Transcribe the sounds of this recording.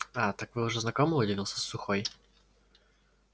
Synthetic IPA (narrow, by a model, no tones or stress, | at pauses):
at̪akvɨʊʐɛznɐkomɨʊdʲɪvʲilˠsʲə̥sːuxoj